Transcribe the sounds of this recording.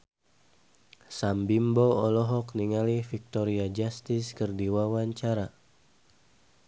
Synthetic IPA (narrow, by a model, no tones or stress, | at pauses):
sambimboɔlɔɦɔkniŋalifik̚t̪ɔɾiad͡ʒast̪iskərdiwawaɲt͡ʃaɾa